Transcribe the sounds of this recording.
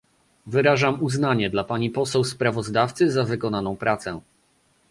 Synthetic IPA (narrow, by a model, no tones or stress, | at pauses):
vɘɾaʐamuznaɲɛd̪lapaɲipɔsɛwspɾavɔzd̪aft̪sɘzavɘkɔnanɔ̃w̃pɾʔat̪sɛ